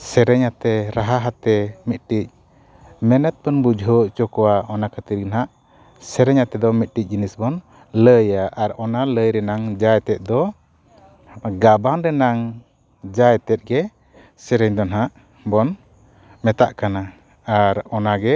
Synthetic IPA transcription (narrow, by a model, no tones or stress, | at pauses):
sɛɾɛɲat̪ɛɾaɦaɦat̪ɛmit̪̚ˀʈic̚ | mɛnɛt̪̚bənbud͡ʒʱɦɔʔt͡ʃɔkɔwaɔnakʰət̪iɾɡnɦaʔ | sɛɾɛɲat̪ɛd̪ɔmit̪̚ˀʈic̚ˀd͡ʒinisbɔn | ləjaʔaɾɔnaləjɾɛnaŋd͡ʒajt̪ɛt̪̚ˀd̪ɔ | ɡabaŋɾɛnaŋ | d͡ʒajt̪ɛt̪̚ɡɛ | sɛɾɛɲd̪ɔnɦaʔ | bɔn | mɛt̪aʔkana | aɾɔnaɡɛ